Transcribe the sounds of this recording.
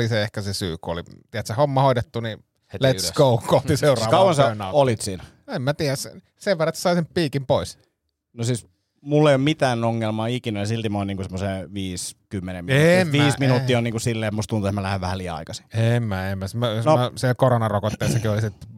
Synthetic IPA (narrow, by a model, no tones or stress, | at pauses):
liseehkæsesy̰ːkuo̰lit̪iæt̪sehomːɑhoit̪et̪ːuni | let̪sɡ̥oukot̪ːiseurɑːʋkɑuwɑnsɑnɑolit̪siːnæ | emmæt̪iæs | seʋerːˑɑet̪ssɑˑisemppiːkimpois | nosiːs | mulːeˑijommit̪æːnoŋːelmɑːikinæjɑsilt̪imoːˑniːŋkusemːoseːʋiːskymːeneminmːʋiːsminuːtt̪ːiːoniːkusilːeet̪must̪unt̪uet̪mælæheʋæhæliæɑ̰ikɑsi̥emːæemːæsmæsnoæsilkoronɑrokot̪ːeˑːsːɑkiolisit̪